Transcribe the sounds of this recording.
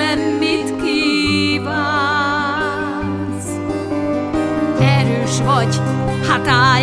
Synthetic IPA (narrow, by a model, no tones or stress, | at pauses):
ɛmːit̪kiba | n | s | ɛɾøːʃvɒɟhat̪a